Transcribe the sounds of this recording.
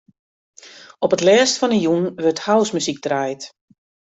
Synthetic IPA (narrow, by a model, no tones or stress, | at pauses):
ɔpətlɛːstfɔnəjunʋɵrthawsmysik̚draːjt